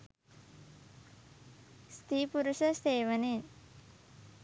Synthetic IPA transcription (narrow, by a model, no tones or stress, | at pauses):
st̪ʰipuɾuʃɐseːʋəneːn